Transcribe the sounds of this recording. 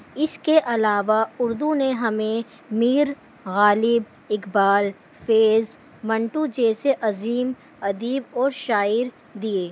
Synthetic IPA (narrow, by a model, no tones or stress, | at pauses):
ɪskeʔɐlaːʋaʊɾd̪uneɦɐmẽ | miːɾ | ɣaːlɪb | ɪkbaːl | feːz | mɐ̃ɳʈud͡ʒɛːseʔɐziːm | ɐd̪iːbɔːɾʃaːɪɾ | d̪ieː